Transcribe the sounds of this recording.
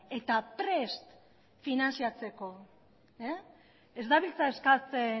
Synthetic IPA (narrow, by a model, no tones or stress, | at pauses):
e̞t̪apɾe̞st̪ | finansiat͡se̞ko̞ | e | ezd̪aβilt͡sae̞skat͡se